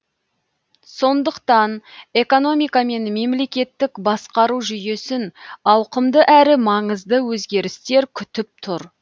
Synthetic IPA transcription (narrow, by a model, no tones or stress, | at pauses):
so̞nd̪əqt̪ɑne̞ko̞no̞mijkame̞nme̞mle̞kʲe̞t̪ːɪkbɑsqɑɾuʒʏje̞sɪnɑwqəmd̪əʔæɾɪmɑɴəzd̪əwɵzɡʲe̞ɾɪst̪e̞ɾkʲʰʏt̪ɪp̚t̪ʰʊɾ